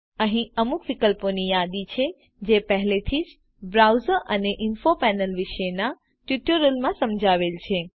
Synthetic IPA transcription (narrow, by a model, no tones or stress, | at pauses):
əɦĩəmukʋikəlponijad̪it͡ʃʰe | d͡ʒepəɦlet̪ʰid͡ʒ | bɾawzəɾəneʔɪnfopɛnəlʋɪʃəna | ʈjuʈəɾəlmãsəmd͡ʒʱaʋelt͡ʃʰe